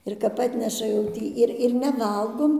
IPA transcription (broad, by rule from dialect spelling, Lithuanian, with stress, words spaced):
ɪr ˈkɐp ˈɑːtʲnʲɛʃɐ jɛʊ ˈtʲiː ˈɪr ɪr nʲɛˈʋɐlˠɡoːm